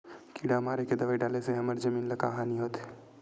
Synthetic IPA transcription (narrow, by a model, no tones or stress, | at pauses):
kiːɽamaːɾeked̪ɐʋaːiɖaːleseɦɐməɾd͡ʒɐmiːnlɐkaɦaːniɦoːt̪ʰː